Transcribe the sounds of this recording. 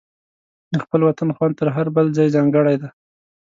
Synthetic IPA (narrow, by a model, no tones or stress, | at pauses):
d̪əxpəlwat̪anxwɑnt̪əɾɦaɾbəlzɑjzɑŋɡəɽajd̪a